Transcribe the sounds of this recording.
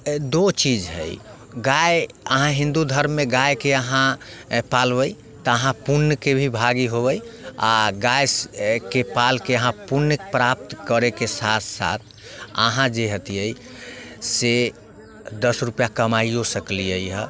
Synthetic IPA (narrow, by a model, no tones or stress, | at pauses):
d̪ot͡ʃid͡ʒɦə̰j | ɡaj | əɦãɦĩnd̪ud̪ʱəɾmːeɡajkeəɦãpalbəj | t̪ɔəɦãpunəkebʱibʱaɡiɦobəjaɡajskepalkeəɦãpuɾnkpɾap̚t̪kəɾɛkesat̪ʰsa̰t̪ʰ | ə̰ɦãd͡ʒeɦət̪ijəj | se | d̪əsɾupjakəmaiosəkliəjɦə